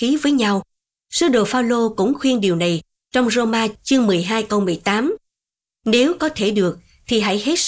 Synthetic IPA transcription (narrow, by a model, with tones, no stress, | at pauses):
i˨˦vəː˨˦jɲa˧w | sɨ˨˦ɗo˨˩faː˧wlo˧kʊ̰˧˥ŋ͡mxwi˧ənɗi˨˩əwna˨˩j | t͡ɕɔ˧wŋ͡mzo˧maː˧t͡ɕɨ˧əŋmɨ˨˩əjɦaː˧jkə˧wmɨ˨˩əjt̪aː˨˦m | ne˨˦wkɔ˨˦t̪ʰe˧˩ɗɨ˨˩ək̚ | t̪ʰi˨˩ɦa̰˧˥˨jhe˦˥t̚